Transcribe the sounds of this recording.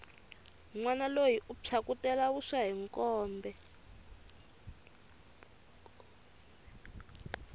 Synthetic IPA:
ŋ͡ǀwanalojiʔupʰakutɛlaβuʂaɦiŋkʼɔːmbɛ

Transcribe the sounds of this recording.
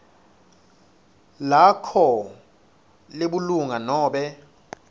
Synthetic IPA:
lakʰɔ | leɓuluŋanɔːɓɛ

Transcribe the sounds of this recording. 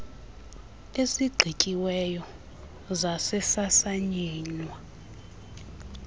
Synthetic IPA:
esiɡ͡ǀʱicʼiwɛjɔ | zasɛsasaɲiːnwa

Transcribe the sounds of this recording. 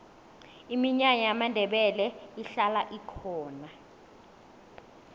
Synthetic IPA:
imiɲaɲajamandʱɛɓɛlɛiɬalaʔikʰɔːna

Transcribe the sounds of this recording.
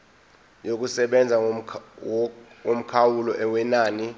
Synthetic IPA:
jok̬ʼusɛɓɛnd͡zʱa | om̩kʰawulɔʔɛwɛnaːni

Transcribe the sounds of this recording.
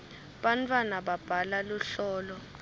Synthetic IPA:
ɓantʰʼwanaɓab̥ʱalaluɬɔːlɔ

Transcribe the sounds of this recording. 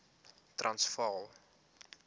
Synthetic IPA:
trʔɐnsfɐlˠ

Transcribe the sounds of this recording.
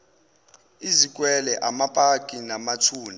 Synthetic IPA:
izik̬ʼwɛlɛʔamapʼakʼinamatʰuːni

